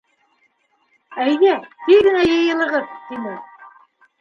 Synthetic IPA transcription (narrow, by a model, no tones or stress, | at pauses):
æjðæt̪iɡɘ̆næjɤ̆jɤ̆lˠɤ̆ʁɤp̪t̪inɘ